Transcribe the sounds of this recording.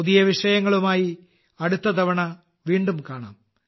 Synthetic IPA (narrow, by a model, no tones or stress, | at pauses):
uðijɐʋiʂɐjɐŋːɐɭumaːji | ɐɽut̪ːɐd̪ɐʋɐɳɐ | ʋiːɳɖumkaːɳa̰ːm